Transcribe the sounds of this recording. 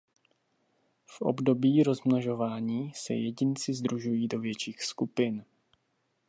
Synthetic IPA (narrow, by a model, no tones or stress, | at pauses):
fʔo̰bdo̞biːɾo̞zmnoʒo̞vaːɲiːsɛ̰jɛɟɪnt͡sɪzd̪ɾuʒujiːdo̞vjɛt͡ʃiːxskupɪn